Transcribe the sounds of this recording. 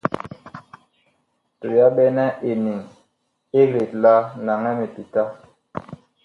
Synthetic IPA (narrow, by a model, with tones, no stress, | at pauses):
to˨ja˦ɓɛ˦nɛ˦ʔe˨ni˨ŋ | e˦ɾe˨tla˦na˨ŋɛ˦me˨pi˨ta˦